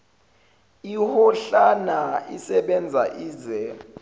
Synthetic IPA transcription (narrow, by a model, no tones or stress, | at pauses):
ihɔɬanaḭsɛɓɛnd͡zʱaʔiːzɛ